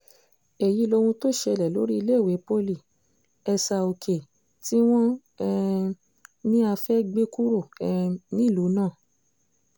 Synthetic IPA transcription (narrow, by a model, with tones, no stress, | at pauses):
e˨ji˨˦lo˧wũ˧to˦ʃe˧˨lɛ˨lo̰˨˦ɾi˦i˧le˦˨we˨˦po˦li˦˨ | ɛ˧sa˧˨o˨kʰe˨ | ti˦w̃ɔ̃˦ | ɛ˦ | nĩ˦a˧fɛ˦ɡ͡be˦ku˦ɾo˦˨ɛ˨˧nĩ˦˨lu˨˦nãː˦˨